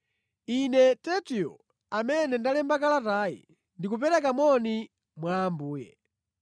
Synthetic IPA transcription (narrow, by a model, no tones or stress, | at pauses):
inɛtɛtiɔ̰ | amɛnɛndalɛmbakalataːjḭ | ndikup̬ɛɾɛkamɔni | mwaːmbuːjɛ̰